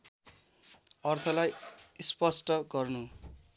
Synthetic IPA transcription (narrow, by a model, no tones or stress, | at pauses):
ʌrt̪ʰʌlajispʌsʈʌɡʌrnu